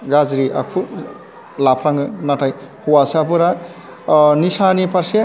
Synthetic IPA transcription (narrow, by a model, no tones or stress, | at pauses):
ɡazɾiʔa̰k̚ʰu | lapʰɾaŋɯnatʰajhuwaspɯɾa | nisanipʰaɾse